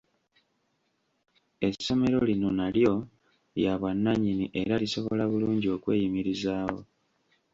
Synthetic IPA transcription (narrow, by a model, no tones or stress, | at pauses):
e̞sːo̞me̞ɾo̞lino̞naljo̞ | jaβwanːaɲiniʔe̞ɾaliso̞βoo̞̰laβuluːɲɟio̞ːkwe̞ːjimiɾizaːwo̰